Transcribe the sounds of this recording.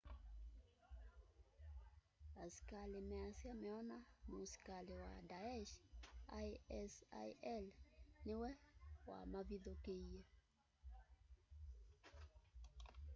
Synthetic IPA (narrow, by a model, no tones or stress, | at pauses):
asi̥kalɪmɛasjamɛɔnamosi̥kalewadaɛʃajɛsa̰jɛlnɪwɛwa̰maviðɔkeie